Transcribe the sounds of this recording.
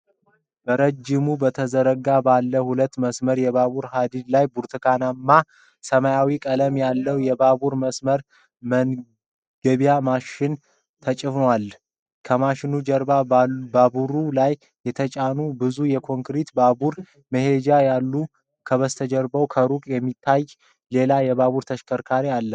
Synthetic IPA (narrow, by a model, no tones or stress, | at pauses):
b̥əɾəd͡ʒːɪmubət̪ʰəzəɾəɡabalːəhulət̪ːməsməɾjɛbaβuɾɦad̪id̪lajbuɾt̪ʰɨkʰanamːa | səmajawikʼələmjalːəwjɛbabuɾməsməɾ | mən | ɡ̥əβijamaʃɪn | t̪ʰət͡ʃʼɨfnwal | kʰəmaʃɪnud͡ʒəɾbababuɾulaj | jɛt̪ʰət͡ʃʼanubɨzujɛkʰo̞ŋkɾit̪babuɾ | məhe̞d͡ʒajalːu | kʰəβəst̪ʰəd͡ʒɛɾbəwkʰəɾukʼjɛmːit̪ʰːaj | le̞lajɛβaβuɾt̪ʰəʃkʰəɾkʰaɾialːə